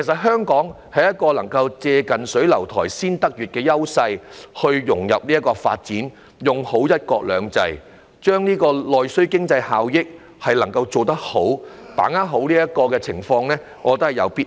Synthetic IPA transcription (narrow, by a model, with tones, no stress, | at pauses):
kʰe˨˩sɐ˨˩t̚ɦœː˥ŋkɔː˨˥ŋ | hɐ˨jɐ˥t̚kɔː˧lɐ˨˩ŋkɐ˧wt͡sɛː˧kɐ˨nsɵ˨˥ɥlɐ˨˩wt̪ʰɔː˨˩jsiː˥nt̪ɐ˥k̚jyː˨˩t̚kɛː˧jɐ˥wsɐ˧jhɵ˧ɥjʊ˨˩ŋjɐ˨p̚ni˥ɐ˥tkɔː˧fa̰ː˧t̚t͡siː˨˥n | jʊ˨ŋho˨˥wjɐ˥t̚kɔː˧k̚lœː˨˧ŋt͡sɐ˧j | t͡ʃœː˥ŋniː˥kɔː˧lɔː˨jsɵ˥ɥkɪ˥ŋt͡sɐ˧jhaː˨wjɪ˥k̚ | hɐ˨jlɐ˨˩ŋkɐ˧wt͡so˨˧wt̪ɐ˥k̚ho˨˥w | pa̰ː˨˥ŋaː˥ɦo˨˥wliː˥jɐ˥t̚kɔː˧kɛː˧t͡sʰɪ˨˩ŋfɔː˧ŋlɛː˥ | ŋʔɔː˨˧t̪o˥hɐ˨jɐ̰˨˧wpiː˥